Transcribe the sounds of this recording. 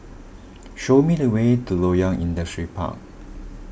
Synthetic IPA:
ʃomidəwetulojãŋʔḭ̃ndəstɹipʰa̰k̚

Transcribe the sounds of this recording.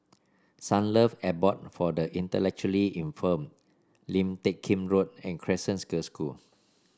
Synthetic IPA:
sãnləfɛbɔt̚fɔdəʔĩntəlɛk̚t͡ʃuəliʔĩnfə̃m | lĩmtekʰːĩmɹot̚ɛ̃nkʰɹɛsə̃nskəskul

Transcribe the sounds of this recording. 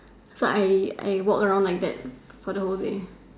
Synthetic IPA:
soʔaɪa̰ɪwɔkəɹãʊ̃ndlajk̚dɛ̰t̚fɔdəholde

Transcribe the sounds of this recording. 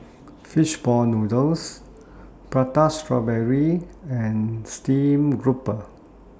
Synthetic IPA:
fiʃbɔnudəls | pɹatastɹɔbɛɹiɛ̃nstĩmɡɹupə

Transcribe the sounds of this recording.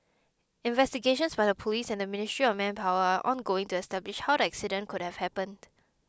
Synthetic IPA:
ɪ̃nvɛstiɡeʃə̃nsbaɪdəpʰɔliːsɛ̃ndəmɪnɪstɹiɔfmɛ̃npʰaʊwəaʔɔ̃nɡoɪ̃ŋtuɛstɛblɪʃhawɾəɛksidə̃nkʰʊd̚hɛvhɛpə̃nd̥

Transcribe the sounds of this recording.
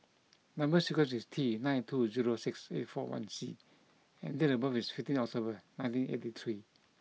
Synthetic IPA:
nãmbəsikɔ̃sistʰinãjntʰuziɹosiksḛtfɔ̰wã̰nsḭ | ɛ̰̃nd̪ɛɾəbavisfiftĩnɔk̚tʰobənãj̃ntĩnḛtit̪ʰɹi

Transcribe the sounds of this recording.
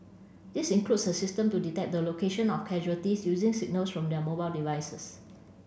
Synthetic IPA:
disĩnklutsəsɪstə̃mtuditɛk̚dəlokeʃə̃nɔfkʰɛʒuətisjuzɪ̃ŋsɪɡ̚nəlsfɹɔ̃mdɛəmobaɪldivajsəs

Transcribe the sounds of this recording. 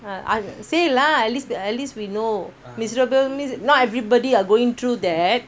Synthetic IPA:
aa̰selaɛtlisɛtlistwino | misɹobɛmĩsnɔtɛvɹibɔdiaɡoĩŋt̪ʰɹud̪ɛt̚

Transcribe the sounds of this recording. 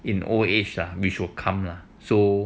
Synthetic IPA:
ĩnʔɔ̰et͡ʃlawiʃukʰãmla | so

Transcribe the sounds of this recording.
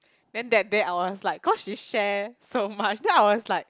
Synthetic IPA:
dɛ̃ndɛt̚deaɪwɔslaɪkkːɔsʃiʃɛsomat͡ʃdɛ̃najwɔslaɪk̚

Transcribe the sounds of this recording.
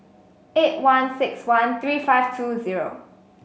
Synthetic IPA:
et̚wãnsɪkswãnθɹiːfaɪv̥tʰuziɹo̰

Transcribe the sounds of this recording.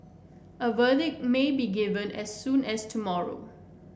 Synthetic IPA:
ʔəvədɪk̚mebiɡɪvə̃nɛsːũnɛstʰumɔɹo̰

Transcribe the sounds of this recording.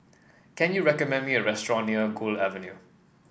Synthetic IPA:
kɛ̃njuɹɛkəmɛ̃ndmiəɹɛstɹɔ̃nːiəɡuːlavə̃nju

